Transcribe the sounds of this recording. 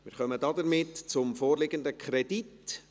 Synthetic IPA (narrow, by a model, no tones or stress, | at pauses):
mɪɾχœmədɑdəɾmɪtt͡sʊmfoːɾlɪɡəndəkʰɾɛd̥it